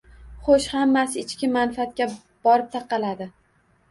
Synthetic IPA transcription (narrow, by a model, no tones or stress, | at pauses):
χoʃhamːasɪɪt͡ʃkʲɪmanfat̪̚kʲa | b̥ɒɾɪp̚t̪ʰaqʰɑlad̪ɪ